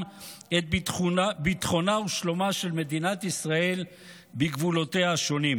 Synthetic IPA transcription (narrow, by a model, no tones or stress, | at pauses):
et̪̚ | bit̪χo̞nauʃlo̞maʃe̞lme̞d̪inat̪isʁae̞l | beɡvulo̞t̪eaʃo̞nim